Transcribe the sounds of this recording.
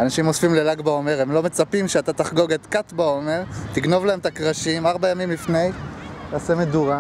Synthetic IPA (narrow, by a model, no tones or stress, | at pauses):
anaʃimosfimlelaɡbao̞meʁemlo̞me̞t͡sapimʃeat̪at̪aχɡo̞ɡet̪kat̪bao̞me̞ʁt̪iɡno̞vlaemt̪akʁaʃimaʁbajamimlifnejt̪aːsemeduʁa